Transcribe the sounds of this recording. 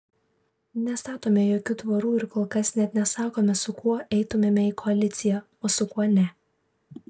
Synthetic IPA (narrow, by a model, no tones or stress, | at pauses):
nʲɛst̪ɑːt̪oːmʲɛjoːkʲʊt̪ʋɐɾuːɪɾkoːlˠkɐsnʲɛt̪ʲnʲɛsɑːkoːmʲɛsʊkuɔʔɛɪt̪ʊmʲeːmʲɛiːkʰɔɐlʲɪt̪sʲɪjɛ | oːsʊkuɔnʲɛ